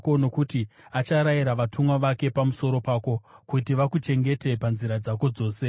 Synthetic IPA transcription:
ko̞no̞kutiat͡ʃaɾaiɾaʋatʰumwaʋake̞pamuso̞ɾo̞paːko̞kutiʋakut͡ʃe̞ŋɡe̞te̞panziɾad͡zako̞d͡zo̞ːse̞

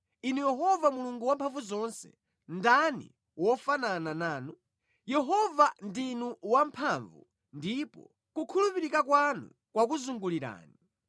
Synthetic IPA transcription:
inujɛɦɔvamuluŋɡuwampʰaɱvuzɔnsɛ̥̰ | ndanḭ | wɔfanananaːnu | jɛɦɔvandinuwampʰaɱvṵ | ndipɔ̰ | kukʰulupiɾikak̬wanṵ | kwak̬uzuŋɡuliɾa̰ːni

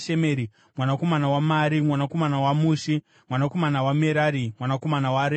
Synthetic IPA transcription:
ʃemeɾi | mwanako̞manawamaɾimwanako̞manawamuːʃi | mwanako̞manawameɾaɾimwanako̞manawaɾe

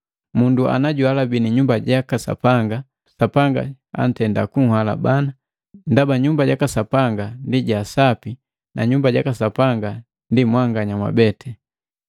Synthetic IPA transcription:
mundua̰naɟualabiniɲumbaɟakasa̰paŋɡa | sapaŋɡa̰ | a̰n̩tɛnda̰kuŋ̩hala̰bana | ndabaɲumbaɟakasapaŋɡandiɟasapi | na̰ɲumbaɟakasapaŋɡa | ndimwaŋɡaɲamwa̰bɛtɛ

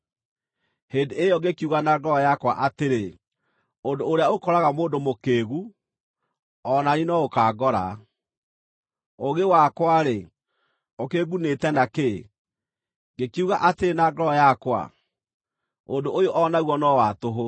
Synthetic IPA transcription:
heːndeejɔɡekiuɣanaɡɔɾɔjakwaʔateɾe | ondoːɾeaokɔɾaɣamoːndomokeːɣu | ɔnaninɔokaɡɔɾa̰ | oɣewakwaɾe | okeɣunetɛnake | ɡekiuɣaʔateɾenaɡɔɾɔjakwa̰ | ondoʔojoʔɔnaɣwɔnɔwatoɦo

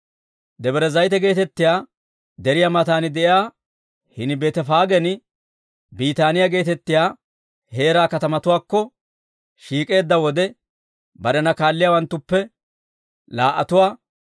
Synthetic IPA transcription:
d̪ɛbɛɾɛzɐjt̪ɛɡe̞ːt̪ɛt̪ːɪjaː | d̪ɛɾɪjamɐt̪aːnɪd̪ɛʔjaː | hɪnɪbeːt̪ɛfaːɡɛnɪ | biːt̪aːnɪjaɡe̞ːt̪ɛt̪ːɪjaː | he̞ːɾaːkɐt̪ɐmɐt̪ʊwaːkːɔ | ʃiːkʼe̞ːd̪ːɐwɔd̪ɛ | bɐɾɛnɐkaːlːɪjaːwɐnt̪ːʊpːɛ | laːʔɐt̪ʊwaː

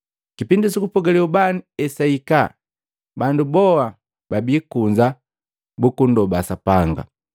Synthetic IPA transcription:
kipindisukupɔɡalɛubaniɛsaika | bandubɔa | babiːkuɲd͡ʒa | bukundɔbasapaŋɡa̰

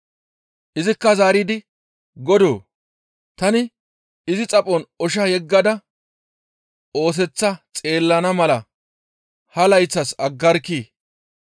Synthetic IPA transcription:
ʔɪzɪkːɐzaːɾiːd̪ɪ | ɡɔd̪oː | t̪ɐnɪ | ɪzɪt͡sʼɐpʼɔnɔʃɐjɛɡːɐd̪ɐ | o̞ːs̬ɛt͡sːɐt͡sʼe̞ːlːɐnɐmɐlɐ | hɐlɐjt͡sːɐsɐɡːɐɾkːiː

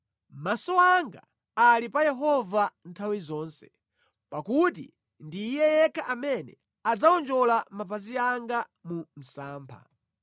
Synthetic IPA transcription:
masɔaŋɡa̰ | alipajɛɦɔvan̩tʰawizɔːnsɛ̥ | pakut̬ḭ | ndiːjɛjɛkʰaʔamɛnɛ̰ | ad͡zaɔnd͡ʒɔlamapaziaŋɡa | mum̩saːmpʰa̰

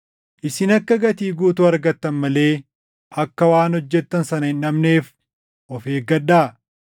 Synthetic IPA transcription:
ʔɪsɪnɐkːɐɡɐt̪iːɡuːt̪ʊɐɾɡɐt̪ːɐnmɐle̞ː | ʔɐkːɐwaːnɔd͡ʒːɛt̪ːɐnsɐnɐɪnɐmne̞ːf | ʔɔfeːɡɐɗːaː

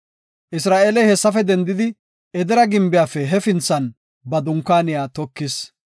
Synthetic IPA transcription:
ʔɪsɾaːʔeːlɛjhɛsːɐfɛd̪ɛnd̪ɪd̪ɪ | ɛd̪ɛɾɐɡɪmbɪjaːfɛɦɛfɪnt͡sːɐn | bɐd̪ʊŋkːaːnɪjaːt̪ɔkːɪs

